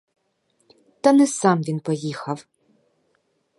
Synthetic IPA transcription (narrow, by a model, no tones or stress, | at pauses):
t̪ɐnɛsɑmʋʲinpɔjixɐw